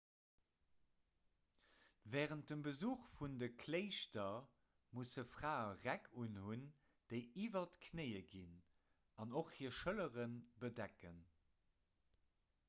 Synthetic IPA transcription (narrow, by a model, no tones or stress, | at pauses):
vɛːʁənt̚dəmbəzuːχfundəkʰleɪʃtɐ | mushəfʁ̥aːəʁækʰunhun | d̥eɪiːvɐtkʰneɪəɡin | ɑnoχhiːɐʃələʁənbədækən